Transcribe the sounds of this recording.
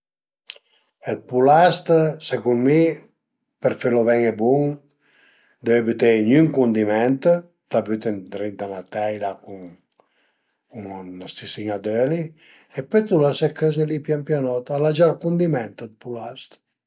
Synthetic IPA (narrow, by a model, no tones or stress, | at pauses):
elpulast̪sekunmi | peɾfelovɛŋebuŋ | d̪øebyt̪eɲyŋkund̪imɛnt̪ | t̪abyt̪ent̪ɾint̪anat̪ɛjlakuŋ | uŋast̪isiŋad̪øli | epet̪ulasɛkʰːøzelipjampjanɔt̪alad͡ʒaɾkund̪imɛnt̪əd̪pulast̪